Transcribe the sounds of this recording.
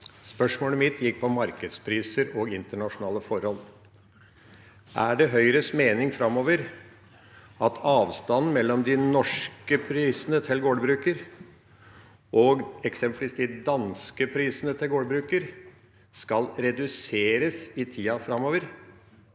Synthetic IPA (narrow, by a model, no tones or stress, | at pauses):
spœʂmoːləmɪt̪ʰjɪkːpʰɔmɑɾkəd̪spʰɾiːsəɾɔːɡɪnt̪əɳɑʂʊnɑːləfɔɾhɔl | ʔæɖɛɦœʏɾəsmeːnɪŋfɾɑmoːʋəɾ | ɑt̪ʰɑːʋst̪ɑnn̩mɛlːɔmd̪ɪnɔʂkəpʰɾiːsənət̪ʰɪlɡoːɖ̪bɾʉːkəɾ | ʔɔɡɛksɛmplɪst̪ɪd̪ɑnskəpʰɾiːsənət̪ʰɪlɡoːɖbɾʉːkəɾ | skɑlɾɛd̪ʉseːɾəsɪt̪ʰiːɑfɾɑmoːʋəɾ